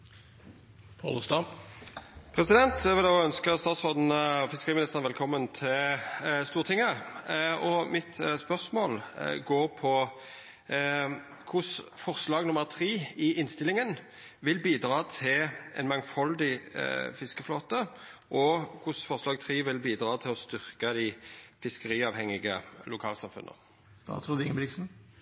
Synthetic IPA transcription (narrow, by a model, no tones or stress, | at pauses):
pʰɑ̰ləst̪ɑ | pʰʁɛsɪd̪ɛnt̪jæʋɪloːœnskəst̪ɑːt̪sɔʁd̪n̩fɪskəɾiːmɪnɪst̪əʁnʋɛlkʰɔmːənt̪ʰɪlst̪uːʁt̪ʰɪŋə | ɔmɪt̪spœʁsmoːlɡoːʁpʰɔ | kʰʊsfɔʁslɑːɡnʊməʁt̪ʰʁiːɪʔɪnst̪ɪlɪŋən | ʋɪlbiːd̪ɾɑːt̪ʰɪlɛ̰nmɑŋfɑld̪ɪfɪskəfloːt̪əʔɔkʰʊsfɔʁslɑːɡt̪ʰʁiːʋɪlbiːd̪ʁɑːt̪ʰɪlɔst̪ʏʁkəd̪ɪfɪskəɾiːɑːʋhɛŋːɪɡəlʊkʰɑ̰ːlsɑmfʉ̰nʔə̰ | st̪ɑ̰ːt̪sʁʊd̪ɪŋəblɪksn̩